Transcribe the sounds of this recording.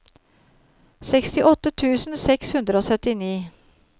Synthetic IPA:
sɛkst̪ɪʔɔt̪ːət̪ʰʉːsn̩sɛkshʉnd̪ɾəoːsœt̪ɪniː

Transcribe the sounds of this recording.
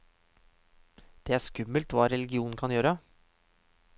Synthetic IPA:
d̪̥ɛːæːʂkʉmːəlt̪ʋɑːɾɛlɪɡɪuːn̩kʰɑnjøːɾə

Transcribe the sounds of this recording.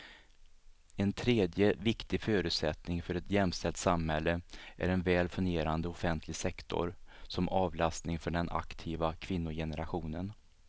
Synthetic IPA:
ɛnt̪ʰɾeːd̪jəvɪkt̪ɪɡføːɾʉ̟ːt̪sɛt̪nɪŋfœɾɛt̪jɛmːst̪ɛlt̪samhɛlːəʔæ̰ɾɛnvɛːlfɵnɡeːɾand̪əɔfɛnt̪ʰlɪɡsɛkt̪ʰɔ̰ɾsɔmɑːvlast̪nɪŋfœɖɛnʔa̰kt̪ʰiːvakʰvɪnːʊjɛnəɾaɧuːnən

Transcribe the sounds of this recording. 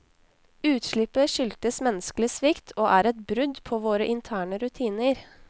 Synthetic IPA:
ʉːt̪ʃɭɪpəʃʏlt̪əsmɛnəsklɪsʋɪkt̪ʰoːʔæːɾɛt̪bɾʉd̪pʰoːʋoːɾəʔɪnt̪ʰæːɳəɾʉt̪ʰiːnəɾ

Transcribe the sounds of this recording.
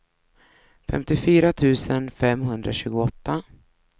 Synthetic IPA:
fɛ̰mt̪ɪfyːɾat̪ʰʉ̟ːsənfɛmːɦɵnd̪ɾaɕʉ̟ːɡʊɔt̪ːa

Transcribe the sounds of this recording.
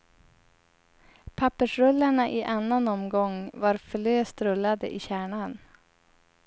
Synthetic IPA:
pʰapːəʂɾɵlːaɳaʔɪʔanːanɔmɡɔŋvaɾfəløːst̪ɾɵlːad̪əʔɪɕæːɳan

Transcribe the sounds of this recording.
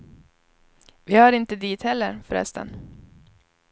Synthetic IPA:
vɪhɑɾɪnt̪əd̪iːt̪hɛlːəɾfœɾɛ̰st̪ə̰n

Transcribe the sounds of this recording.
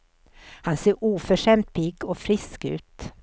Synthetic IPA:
hanseːɾʔuːfœʂɛmt̪̚pʰɪɡɔfɾɪskʉ̟̰ːt̪

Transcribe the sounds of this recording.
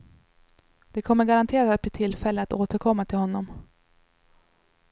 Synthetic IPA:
d̪̥ɛkʰɔmːəɾɡaɾant̪ʰeːɾasɛbʰɪt̪ʰɪlːfɛlːəat̪oːt̪əɾkʰɔmːat̪ʰɪlhɔnːɔm

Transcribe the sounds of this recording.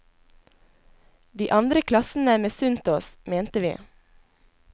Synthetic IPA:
d̪iːʔɑnd̪ɾəkʰlɑsn̩əmeːsʉnt̪oːsmeːnt̪əʋḭː

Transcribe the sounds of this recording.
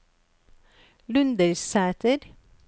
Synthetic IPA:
lʉnd̪əɾsæːt̪əɾ

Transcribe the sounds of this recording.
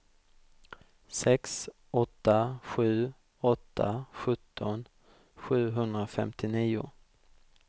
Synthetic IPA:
sɛks | ɔt̪ʰːaɧʉ̟ː | ɔt̪ʰːa̰ɧɵt̪ʰːɔn | ɧʉ̟ːɦɵnd̪ɾafɛ̰mt̪ʰɪniːʊ̰

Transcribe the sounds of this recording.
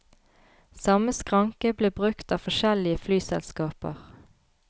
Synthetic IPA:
sɑməskʁɑŋkəbleːbʁʉkt̪ɑːfɔʃɛlɪəflyːsɛ̰lskɑːpə̰ʁ

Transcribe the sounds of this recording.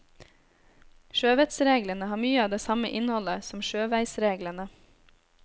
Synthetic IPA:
ʃøːʋɛt̪sɾeːɡlənəhɑːmyːəɑːʋd̪eːsɑmə̰ʔɪnhɔləsɔmʃøːʋæɪsɾeːɡlənə

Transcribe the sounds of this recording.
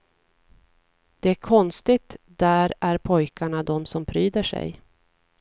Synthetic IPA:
d̪̥ɛækʰɔnst̪ɪt̪d̪æɾæɾpʰɔjkaɳad̪ɔmsɔmpʰɾyːd̪əʂɛ̰j

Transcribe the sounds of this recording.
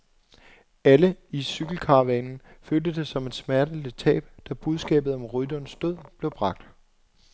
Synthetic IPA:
æləisyɡ̥l̩kʰɑ̈ːʋɛːnn̩føld̥əd̥e̝sɒ̽me̝d̥smæɐd̥ələt͡sʰɛ̰ːb̥̚d̥æb̥uð̞ˠsɡ̥ɛ̰ːb̥ð̩ˠɒ̽mʁyd̥ɒnsd̥oð̰ˠb̥le̝ʊb̥ʁɑ̈ɡ̥̚d̥

